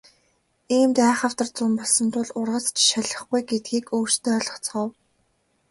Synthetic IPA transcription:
iːmt̪æːχə̆w̥t̪ə̆rt͡sʊmpɔɮsɞ̆nt̪ʰʊɮʊrʁə̆t͡st͡ɕʰʃaɮə̆χɡujɡet̪̚ɡiːkoːr̥t͡ɕt̪eːɮɞ̆χt͡sɢɔw

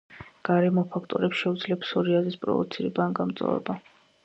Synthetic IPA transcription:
ɡ̥aɾɛmɔpʰakʰt̪ʼɔɾɛpsʃɛud̪zlɛpsɔɾiazispʼɾɔ̰vɔ̰t̪sʰiɾɛbaːnɡamt̪sʼa̰vɛ̰ba

